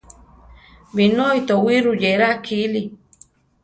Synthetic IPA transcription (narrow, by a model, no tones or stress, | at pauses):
βinojt̪owiɾujeɾakʰili